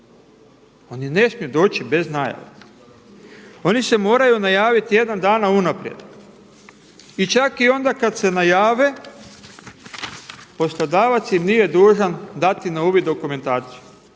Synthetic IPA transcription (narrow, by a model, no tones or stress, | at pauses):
o̞nine̞smijud̪o̞ːt͡ʃibe̞znaja̰ʋa̰ | o̞nise̞mo̞ːɾajunajaːʋit̪je̞d̪and̪aːnaunapɾijed̪ | it͡ʃakio̞nd̪akad̪se̞najaːʋe̞ | po̞slˠod̪aːʋat̪sjimnije̞d̪uːʒand̪at̪inauʋid̪o̞kume̞nt̪aːt̪siju